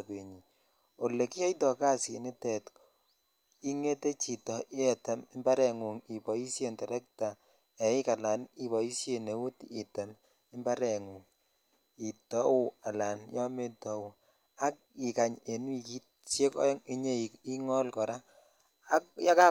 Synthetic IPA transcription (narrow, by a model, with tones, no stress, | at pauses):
pe˨ɲi˨ | o˨le˨ki˦ɔ˦i˦tɔ˨ka˦˨si˨nɪ˦tɛ˨t | i˦ŋe˦te˦t͡ʃi˨tɔ˨ʔɪ˦ɛ˨tɛ˨mɪ˦mba˦ɾɛ˨ŋu˨ŋi˨bɔ˨i˦sje˦˨ntɛ˨ɾɛ˦k̚ta˨ | ɛ˨ɪ˦ka˨la˨ni˨βɔ˨i˦sje˨ne˨u˦ti˨tɛ˨m | ɪ˦mba˦ɾɛ˨ŋu˨ŋ | i˨tɔ˦u˦a˨la˨njɔ˦me˦tɔ˨˦u˨ | a˦k̚ | ɪ˨ka˨ɲe˨nwi˨ki˦ | t͡ʃje˦kŋɪ˦ɲe˦˨i˦ŋɔ˦lkɔ˨ɾaː˦ | k̚ja˦ka˦